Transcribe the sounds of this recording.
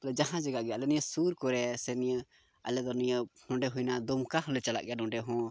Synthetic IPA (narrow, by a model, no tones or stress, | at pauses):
lɛd͡ʒaɦãd͡ʒaɡaʔɡɛalɛnijəsuɾkɔɾɛsɛnijə | alɛd̪ɔnijənɔ̃ɖɛɦujnad̪ɔmkaɦlɛt͡ʃala̰ʔɡɛjanɔ̃ɖɛɦɔ̃